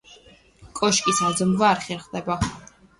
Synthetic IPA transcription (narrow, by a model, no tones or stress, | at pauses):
kʼɔʃkʼisad̪zmvaːɾχɛɾχd̪ɛba